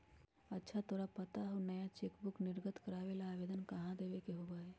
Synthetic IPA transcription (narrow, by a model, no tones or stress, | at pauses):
ɐtːʃʰat̪oːɾapət̪aɦonɐjat͡ʃeːkbʊknɪɾɡət̪kəɾaːʋelaːʋeːd̪ənkɐɦãd̪eːʋekeɦoːbaɦɛː